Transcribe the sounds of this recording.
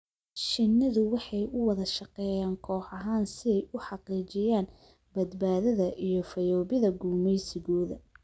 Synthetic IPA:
ʃɪnːɪðʊwɑħɑjʊwɑðɐʃɑqɛːjaːŋkʰɔːħɑɦaːnsɪðɛjʊħɑqiːt͡ʃɪjaːn | bɐd̪baːðɐðɐʔijɞfɐjɔːβɪðɐɡuːmɛjsɪɣɔːðɐ

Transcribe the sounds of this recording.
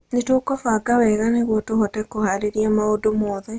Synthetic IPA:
netoːkɔfaɡawɛɣaneɣwotohotɛkːohaɾeɾijamaodomɔːðɛ

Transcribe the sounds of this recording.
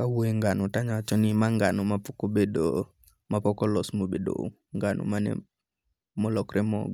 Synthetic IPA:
kawoeŋɡanotaɲat͡ʃɔnimaŋɡanomapɔkobedo | mapɔkɔlɔsmobedo̰ | ŋɡanʔo̰manɛ̰ | mɔlɔkɾɛmɔ̰ɡɔ

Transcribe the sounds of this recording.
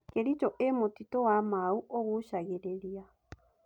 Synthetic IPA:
keɾit͡ʃoʔemotitoamauʔoɣuʃaɣeɾeɾia

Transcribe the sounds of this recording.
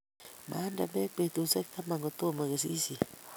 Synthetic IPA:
mʔa̰ndamek͡pet̪usakt̪amaŋɡot̪omaɣes̬isi

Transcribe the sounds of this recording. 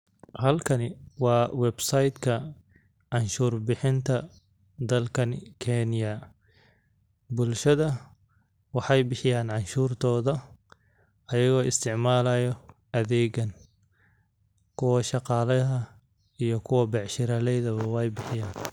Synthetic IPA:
hɐlkʰɐnɪwɑːwɛbsɐjd̪kʰɐ | ʕɑnʃuːrbɪħɪnt̪ʰɐ | d̪ɐlkʰɐnkʰɛnjɐ | bʊlʃɐðɐ | wɑħɑjbɪħɪjaːnʕɑnʃuːrt̪ʰɔːðɐ | ɐjɐɣɔːʔɪst̪ʰɪʕmaːlɐjɔ | ʔɐðɛːɣɐn | kʰʊwɐʃɑqɑːlɐðɐ | ijɔkʰʊwɐbɛʕʃɪɾɐlɛjðɐβɐwɛjbɪħɪjaːn

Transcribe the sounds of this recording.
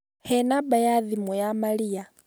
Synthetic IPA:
hɛnabajaðimɔjamalia

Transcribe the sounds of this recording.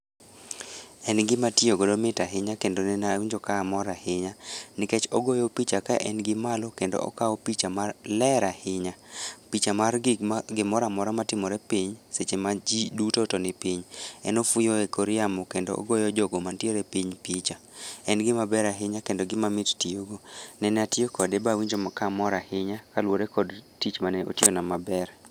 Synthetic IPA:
ɛnɡɪmatioɡodomɪtaɦɪɲakendonɛnawɲd͡ʒɔkaːmɔɾahɪɲanɪkɛt͡ʃoɡojopit͡ʃakaʔɛnɡɪmalɔkendo̰ɔ̰kaɔpit͡ʃamarlɛɾahɪɲapit͡ʃamarɡɪmɔɾamɔɾamatɪmɔɾɛpiɲset͡ʃemad͡ʒidutotɔnɪpiɲɛnofujoekʰoɾɪamɔkendo̰ʔo̰ɡɔjɔd͡ʒɔɡomantjeɾepiɲpit͡ʃaɛnɡɪmabɛɾaɦɪɲakendɔɡɪmamɪttioɡonɛnɛatjokɔdɛbawiɲd͡ʒomakamɔɾahɪɲakalwoɾekɔdtit͡ʃmanɛʔo̰tjonamabɛr

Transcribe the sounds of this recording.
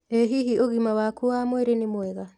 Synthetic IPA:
eɦiɦioɣimawakuamwɛɾenimwɛɣa

